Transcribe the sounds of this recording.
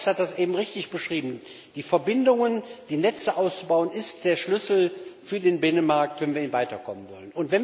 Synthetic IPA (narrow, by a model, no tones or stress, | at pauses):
hat̚d̥asʔeːbm̩ʁɪçtɪçb̥əʃʁ̥iːbm̩ | d̥iːfɛɐbɪndʊŋənd̥iːnɛt͡səʔaʊst͡subaʊənɪstd̥eːɐʃlʏsl̩fyːɐdeːnbɪnənmaɐk̚tv̥ɛnviːɐiːnvaɪtɐkʰɔ̰mənvɔ̰lənʊntv̥ɛn